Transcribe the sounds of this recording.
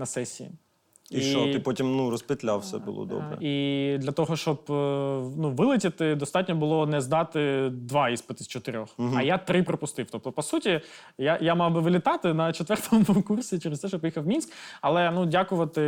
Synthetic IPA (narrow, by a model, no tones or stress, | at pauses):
nɐsɛsʲḭḭ | iiʃɔɪpɔtʲimnuɾɔspɪt̪lʲa̰wsɛ̰bʊ̰lˠɔ̰d̪ɔ̰bɾɛ̰id̪lʲɐt̪ɔɦɔʃt͡ʃɔb | nuʋɪlˠɪtʲɪt̪ɪd̪ɔst̪ɑtʲnʲɔbʊlˠɔnɛzd̪ɑt̪ɪd̪ʋɑispɪt̪ɪst͡ʃɔt̪ɪɾʲɔxɦɐjat̪ɾɪpɾɔpʊst̪ɪwt̪ɔp̚t̪ɔpɔsutʲi | jajamɑwbɪʋɪlʲɪt̪ɑt̪ɪnɐt͡ʃet̪ʋɛrt̪ɔmɔmɔkursʲit͡ʃɛɾɪst̪ɛʃɔpjixɐwmʲinskɐlˠɛnudʲakʊʋɐt̪ɪ